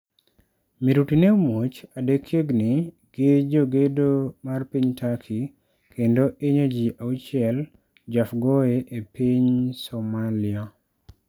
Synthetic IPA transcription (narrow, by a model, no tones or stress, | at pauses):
miɾutinemot͡ʃadekʰjeɡnɪ | ɡ̥ed͡ʒoɡedomarpiɲtakʰi | kʰendoʔeɲod͡ʒiʔaut͡ʃɪɛl | d͡ʒafɡoeʔepiɲsomalia